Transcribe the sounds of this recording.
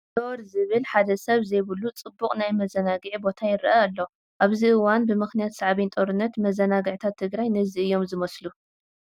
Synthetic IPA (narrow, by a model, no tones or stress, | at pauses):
d̪oɾzɨβɨlħad̪ɐsɐβzejβɨlut͡sʼɨbːuqʼnajmɐzɐnaɡɨʕibo̞t̪ʰajɪɾʔaalːo̞ | ʔaβziɨwanbɨmɨxnijat̪saʕβint̪ʼoɾɨnːɐt̪mɐzɐnaɡɨʕt̪ʰat̪ʰːɨɡɾajnɨziɨjːo̞mzɨmɐslu